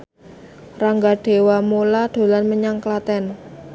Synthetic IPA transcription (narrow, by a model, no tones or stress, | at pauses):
raŋɡaɖ̥e̤wamolaɖ̥o̤lanməɲaŋklat̪ɛn